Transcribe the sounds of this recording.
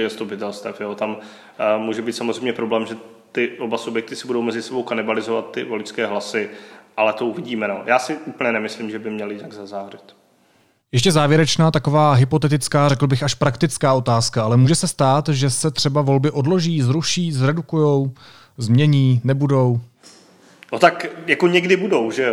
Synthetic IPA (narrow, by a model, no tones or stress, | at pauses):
jɛst̪upɪt̪ɛlst̪ɛfjoːt̪am | muːʒɛbiːt̪samozrɛjmɲɛpɾoblɛːmʒɛ | t̪ɪʔobasubjɛk̚t̪ɪsɪbudo̞wmɛzɪsɛbo̞wkanɪbalɪzovat̪ːɪvolɪskɛːɦlasɪʔalɛt̪ouvɪɟiːmɛnoːjʔaːsɪupəɲɛnɛmɪslimʒɛbɪmɲɛlɪjɪnaɡzazaːrɛt̪ | jɛʃ̬cɛzaːvjɛɾɛt͡ʃnaːt̪ako̞vaːɦɪpo̞t̪ɛt̪ɪt͡skaːrɛkl̩bɪxaʃpɾakt̪ɪt͡skaːʔo̞t̪aːskaʔalɛmuːʒɛsɛst̪aːt̪ʒɛsɛt̪r̝̥ɛbavo̞lbɪʔo̞dlo̞ʒiːzɾuʃiːzɾɛdukujo̞w | zmɲɛɲiːnɛbudo̞w | not̪akjakoɲɛɡdɪbudo̞wʒɛo